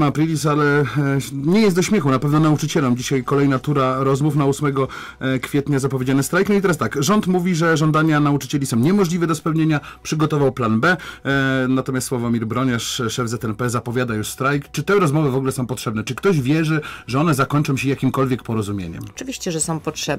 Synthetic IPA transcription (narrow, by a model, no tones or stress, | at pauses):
mapɾilʲisalɛ | ɲɛjɛst̪d̪ɔɕmʲjɛxunapɛvnɔnaut͡ʂɘt͡ɕɛlɛmd͡ʑiɕajkɔlɛjnat̪uɾaɾɔzmufnausmɛɡɔ | kfʲjɛt̪ɲazapɔvʲjed͡ʑanɘst̪ɾajknɔit̪ɛɾast̪akʐɔnt̪muvʲiʐɛʐɔnd̪aɲanaut͡ʂɘ̥t͡ɕɛlʲisɔ̃w̃ɲɛmɔʐlʲivɛd̪ɔspɛwɲeɲapʂɘɡɔt̪ɔvawplanbɛ | nat̪ɔmʲast̪swavɔmʲiɾbɾɔɲaʂʂɛvzɛt̪ɛnpɛzapɔvʲjad̪ajuʂst̪ɾajkt͡ʂɘt̪ɛɾɔzmɔvɘvɔɡulɛsɔ̃w̃pɔtʂɛbnɛt͡ʂɘkt̪ɔʑvʲjɛʐɘʐɛɔnɛzakɔɲt͡ʂɔ̃w̃ɕɛjakʲimkɔlvʲjɛkpɔɾɔzumʲjḛɲɛ̰mɔt͡ʂɨvʲiɕt͡ɕɛʐɛsɔ̃w̃pɔtʂɛb